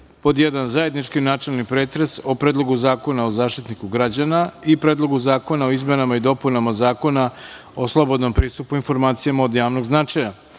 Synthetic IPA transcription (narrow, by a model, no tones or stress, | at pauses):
po̞d̪jed̪anzaje̞d̪nit͡ʃkinat͡ʃelnipɾe̞ːt̪ɾesopɾeːd̪lˠo̞ɡuzaːko̞naozaːʃt̪it̪nikuɡɾad͡ʑanaipɾeːd̪lˠo̞ɡuzaːko̞nao̞izme̞namaid̪o̞punamazaːko̞na | oslˠo̞bo̞d̪no̞mpɾiːst̪upuinfo̞ɾmaːt̪sijamao̞d̪jaːʋno̞ɡznat͡ʃaja